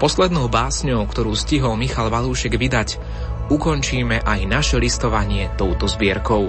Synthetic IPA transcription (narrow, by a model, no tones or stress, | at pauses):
pɔslɛd̪nɔʊbaːsɲɔʊkt̪ɔɾuːsciɦɔlmixalʋaluːʃɛɡʋid̪ac | ukɔnt͡ʃiːmɛʔajnaʃɛlist̪ɔʋaɲɪɛt̪ɔʊt̪ɔzbɪɛɾkɔʊ